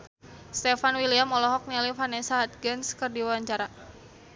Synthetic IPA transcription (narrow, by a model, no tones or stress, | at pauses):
st̪ɛfanwiliamɔlɔɦɔk̚nilifanɛsaɦat̪̚ɡənskərdiwawaɲt͡ʃaɾa